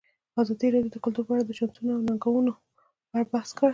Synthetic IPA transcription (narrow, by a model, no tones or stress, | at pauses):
azɑd̪iɾɑdjod̪əkʊlt̪uɾpəaɽad̪ət͡ʃant̪unoawnaŋɡawuno | aɾbahskəɽ